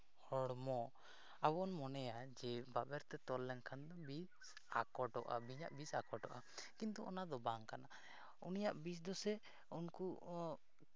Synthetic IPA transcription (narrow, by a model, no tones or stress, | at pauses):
hɔɽmɔ | abɔnmɔnɛjad͡ʒɛbabɛɾt̪ɛt̪ɔlːɛnkʰand̪ɔbis | akɔʈɔʔa̰biɲaʔbisakɔʈɔʔa | kint̪ɔɔnad̪ɔbaŋkana | unijaʔbis̬d̪ɔsɛ | unku